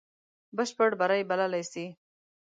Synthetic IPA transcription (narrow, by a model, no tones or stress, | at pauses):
bəʃpəɽbaɾajbalalajsi